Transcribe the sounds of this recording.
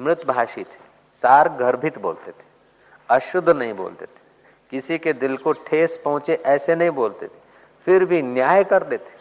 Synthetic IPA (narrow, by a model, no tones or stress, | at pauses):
mɾɪt̪bʱaːʃiːt̪ʰe̥ | saːɾɡʱɐɾbʱit̪bo̰ːlt̪et̪ʰe̥ | ɐʃʊd̪ʱːnɐɦĩbo̰ːlt̪et̪ʰe̥ | kɪsiked̪ɪlkoʈʰeːspɐɦʊ̃t͡ʃeʔɛːsenɐɦĩboːlt̪ḛt̪ʰe̥ | fɪɾbʱinjaːjkɐɾd̪eːt̪ʰe̥